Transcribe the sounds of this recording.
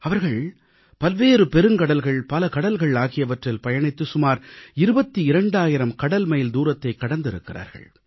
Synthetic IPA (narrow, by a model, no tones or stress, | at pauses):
ɐʋɐɾɣɐɭ | pɐlʋeːɾɯpɛɾɯŋkɐɽɐlɣɐɭpɐlɐkɐɽɐlɣɐɭaːɣɪjɐʋɐʈrɪlpɐjɐɳɪt̪ːɯsʊmaːɾɪɾɯbɐt̪ːiɪɾɐɳɖaːjɪɾɐmkɐɽɐlmɐjɪld̪uːɾɐt̪ːɐɪkːɐɽɐnd̪ɪɾɯ̰kːɪra̰ːɾɣɐ̰ɭ